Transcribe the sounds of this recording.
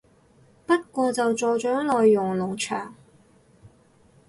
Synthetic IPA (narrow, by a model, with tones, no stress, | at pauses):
pɐ˥t̚kʷɔː˧t͡sɐ˨wt͡sɔː˨t͡ʃɔː˨˥lɔː˨jːʊ˨˩ŋlʊ˨˩ŋt͡ʃʰœ̰ː˨˩ŋ